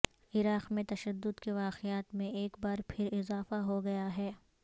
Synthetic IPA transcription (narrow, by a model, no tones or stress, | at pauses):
ɪɾaːqmẽt̪ɐʃəd̪ːʊd̪keʋaːqɪaːt̪mẽeːkbaːɾpʰɪɾɪzaːfaɦoɡɐjaɦɛː